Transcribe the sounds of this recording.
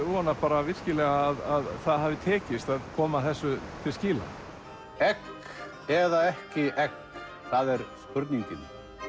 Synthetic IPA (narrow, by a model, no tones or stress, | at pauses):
uːanapaːɾavɪr̥scɪlɛɣaːðaðθaðɦavɪt̪ʰɛːcɪst̪aðkʰɔːmaθɛsːʏt̪ʰɪlscɪːla̰ | ɛk | ɛðaɛhcɪʔɛk | θaðɛɾskʏɾt̪niɲcɪn